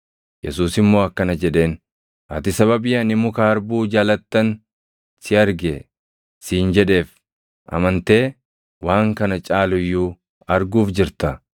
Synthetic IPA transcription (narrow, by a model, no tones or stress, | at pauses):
jɛsuːsɪmːo̞ːɐkːɐnɐd͡ʒɛᶑe̞ːn | ʔɐ̰t̪ɪsɐβɐbɪjɐnɪmʊkaɐɾbuːd͡ʒaːlɐt̪ːɐn | sɪɐɾɡɛ | siːnd͡ʒɛᶑe̞ːf | ʔɐ̰mɐnt̪e̞ː | waːŋkɐnɐt͡ʃʼaːlʊjːu | ɐɾɡuːfd͡ʒɪɾt̪ɐ